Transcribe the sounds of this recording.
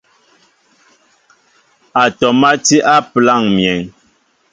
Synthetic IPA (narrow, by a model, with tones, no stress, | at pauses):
a˨tɔ˨ma˦ti˦ʔa˦pla˦˨ŋmjɛ˨ŋ